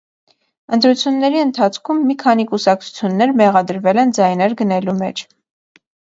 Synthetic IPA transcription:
ənt̪ɾut͡sʰjunːɛɾiənt̪ʰɑt͡sʰkʰumːikʰɑn̪ikusɑk̚t͡sʰu̥t͡sʰjunːɛɾmɛʁɑd̪əɾvɛlɛnd͡zɑjnɛɾɡənɛlumɛ̰t͡ʃʰ

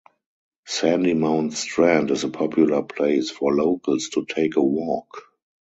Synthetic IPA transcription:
sæ̃ndimãʊ̃ntstɹæ̃ndɪzəpʰɔpʰjulə˞pʰleɪsfɔloʊkʰəlstʰutʰeɪkəwɔk

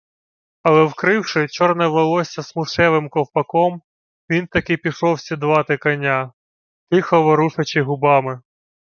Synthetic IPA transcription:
ɐlˠɛwkɾɪwʃɪt͡ʃɔrnɛʋelˠɔsʲɐsmʊʃɛʋɪmkɔwpɐkɔm | ʋʲint̪ɐkɪpʲiʃɔwsʲid̪ʋɑt̪ɪkɐnʲːa | t̪ɪxɔʋɔɾuʂɐt͡ʃɪɦʊbɑmɪ

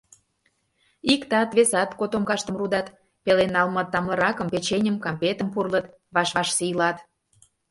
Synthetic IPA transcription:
ikt̪ɑt̪βesɑt̪kot̪omkɑʃt̪əmrud̪ɑt̪ | pelenɑlmət̪ːɑmlɤ̆ɾɑkə̆mpet͡ɕenʲə̆mkɑmpet̪əmpurlət̪ | βɑʃβɑʃsijlɑt̪

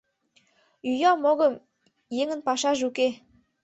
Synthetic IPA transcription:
yjɑmoɣəm | jeŋə̆npɑʃɑʒuke

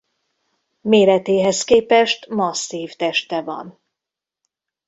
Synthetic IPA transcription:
meːɾɛt̪eːɦɛskeːpɛʃt̪mɒsːiːft̪ɛʃt̪ɛvɒ̰n

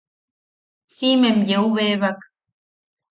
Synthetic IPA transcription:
simemjeuβeβak

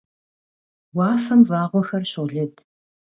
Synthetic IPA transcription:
wɑːfɐmvaːʁʷɔxɐrɕʊʁɮɨtʰ

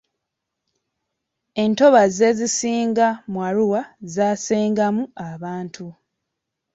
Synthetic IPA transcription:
e̞nto̞βaze̞zisiːŋɡamwaɾuwazaːseːŋɡamuaβaːntʰu

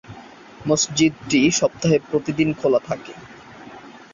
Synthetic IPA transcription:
mʌsd͡ʑid̪̚ʈiʃɔp̚t̪aɦepɾot̪id̪inkʰolat̪ʰake

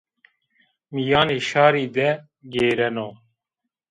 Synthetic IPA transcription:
mijaːneːʃaːɾiːd̪ɛ | ɡeːɾɛnoː

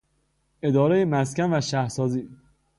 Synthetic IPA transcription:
e̞d̪ɒːɾejemæscænvæʃæhɾsɒːziː

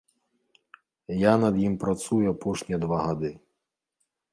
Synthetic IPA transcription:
janɐd̪jimpɾɐt̪sujʊɐpɔʃnʲid̪ʋaɦɐd̪ɪ

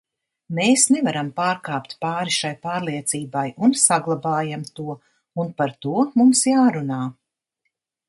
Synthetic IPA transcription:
meːsnɛvaɾampaːɾkaːpt̪paːɾiʃajpaːɾlˠiɛt̪siːbajunsaɡlˠabaːjamt̪uɔ | unpaɾt̪uɔmumsjaːɾunaː

